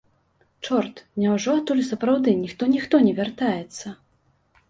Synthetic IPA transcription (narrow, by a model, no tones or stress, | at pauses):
t͡ʂɔrt̪nʲɛwʐɔat̪ːulʲsɐpɾawd̪ɨnʲixt̪ɔnʲixt̪ɔnʲɛvʲart̪ajɛt̪sːɐ